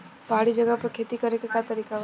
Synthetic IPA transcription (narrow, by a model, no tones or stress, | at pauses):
paɽid͡ʒəɡapəkʰet̪ikəɾekekat̪əɾikaʋ